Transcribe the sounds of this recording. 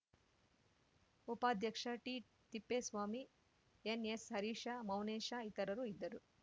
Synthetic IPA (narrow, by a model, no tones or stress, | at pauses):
upaːd̪ʱjɐkʂaːʈiː | t̪ipːeːsʋaːmi | eneshɐɾiːʂaːmɐwneːʃaːit̪ɐɾɐɾuid̪ːɐɾu